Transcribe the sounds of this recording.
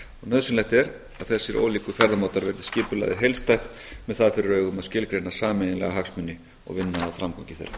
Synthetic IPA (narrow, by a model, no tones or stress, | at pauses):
ɣnœðsɪnlajht̪ɛɾ | aðθɛsːɪɾo̰ːliːkʏfɛɾðamawt̪aɾvɛɾðɪ̥scɪːpʏla̰jðɪ̰ɾɦejlst̪ajht̪ | mɛðθaðfɪɾɪɾœːɥɣʏmaðscɪlkɾejnasaːmɛnɪnlɛ̰ɣaɦaksmʏnːɪ | ɔ̰ɣvɪnːaːðfɾamkʰɔwɲcɪθḛjrːa̰